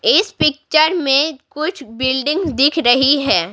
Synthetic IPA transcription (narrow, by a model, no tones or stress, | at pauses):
ɪspɪk̚t͡ʃəɾmẽkʊt͡ʃʰbɪlɖɪ̃ŋɡzd̪ɪkʰɾɐɦiɦɛː